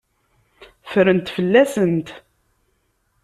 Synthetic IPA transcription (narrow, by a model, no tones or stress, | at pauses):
fɾənt̪fəlːæsənt̪